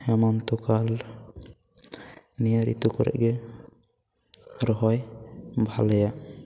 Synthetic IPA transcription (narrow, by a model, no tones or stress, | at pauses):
ɛmɔmt̪ukal | nijaɾḭt̪ukɔɾɛ̰ʔɡɛ | ɾɔɦɔjbʱalɛja